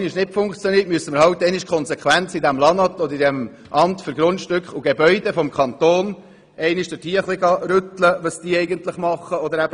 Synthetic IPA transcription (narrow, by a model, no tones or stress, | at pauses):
nɪʃnɪtfʊŋkt͡sjɔniːət̚myəsːəməɾɦɑwt̪ːɛɪnɪʃkʰɔnsekχʋænt͡sidɛmlɑnɑt̪ɔd̪əɾidɛm | ʔɑntfʏɾɡɾʊntʃtʏkχʊɡ̥ebœʏd̥ɛfɔmkχɑnt̪oːn | ɛɪnɪʃd̥ɪtiːəχlɪɡɑɾʏt̪ləʋəsd̥iːɛɪɡənt̪lɪχmɑχːəɔd̪əɾæbə